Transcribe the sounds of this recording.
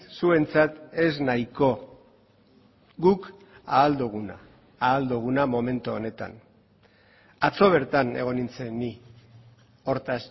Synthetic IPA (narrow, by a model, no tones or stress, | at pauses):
sue̞nt͡sat̪e̞znaiko̞ | ɡuk | aːld̪uɣ̞una̰ː | ld̪uɣ̞unamo̞me̞nt̪uone̞t̪a̰n | at͡so̞β̞e̞ɾt̪ane̞ɣ̞o̞nint͡seni | o̞ɾt̪as